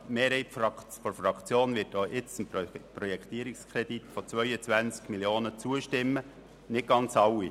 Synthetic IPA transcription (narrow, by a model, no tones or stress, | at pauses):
meːɾhɛɪtfɑ | fɔɾfɾɑkt͡sjoːnvɪːt̚doːʔɪt͡səmpɾrɔjɛkʰt̪iːəɾikskʰɾɛd̥it̪fɔt͡svœʏət͡sʋænt͡skmiljoːnət͡suəʃtɪmːə | nɪt̚ɡ̥ɑnt͡sɑwːi